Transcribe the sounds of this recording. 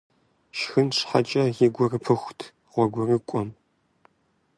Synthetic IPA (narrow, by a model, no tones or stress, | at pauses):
ʃxɨnʂħat͡ʃʼɐjɪɡʷɔrɨpʰɨxʷtʰ | ʁʷɔɡʷɔrɨkʷʼɔm